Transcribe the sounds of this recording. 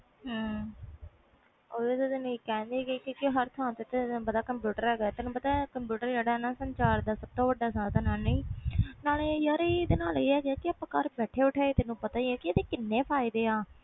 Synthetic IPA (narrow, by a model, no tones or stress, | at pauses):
ɦəː | oːeːt̪ed̪nikɛ̃ːnd̪iɡekɪkɪɦəɾt̪ʰãːnt̪et̪ebəd̪aːkəmpjuːʈəɾɛːɡt̪ɪnũːpət̪aːkəmpjuːʈəɾd͡ʒaːɽaːnaːsəɲt͡ʃaːɾd̪aːsəb̚t̪õːʋəɖaːsãːt̪anaːneːnaːlejaːɾeid̪eːnaːleːɛːɡeaːkɪaːpãːkəɾbɛːʈʰeːʊʈʰeːet̪ɪnũːpət̪aːiɛːkɪəd̪eːkɪnːẽːpʰaːid̪eːaː